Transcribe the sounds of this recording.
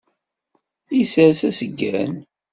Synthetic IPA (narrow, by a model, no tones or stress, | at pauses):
isəɾsæsəɡːæn